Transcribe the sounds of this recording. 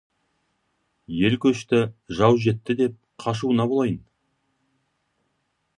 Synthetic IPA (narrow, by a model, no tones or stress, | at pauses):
je̞lkʲʰɵʃt̪ɪʒɑwʒe̞t̪ːɪd̪e̞p̚qʰɑʃ̬uənɑbolˠɑjən